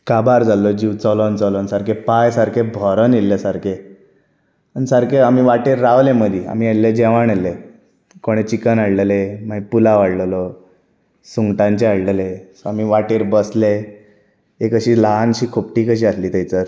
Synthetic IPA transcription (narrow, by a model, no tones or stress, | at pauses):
kabaɾd͡zalɔd͡ʑiʋt͡sɔlɔnt͡sɔlɔnsaɾkepajsaɾkʰebʱɔɾənelːesaɾkʰe | ansaɾkeamiʋaʈeɾːaʋleməd̪ʱia̰m̤ielːed͡ʑeʋaɳelːe | koɽ̃et͡ɕikənaɽləlemaipulaʋaɽllɔ | suŋɡʈãɲt͡ɕeaɽləlesɔamiʋaʈeɾbəsle | ekəɕiːlaɦanɕiːkʰop̚ʈiːkəɕiːasliːt̪əjt͡səɾ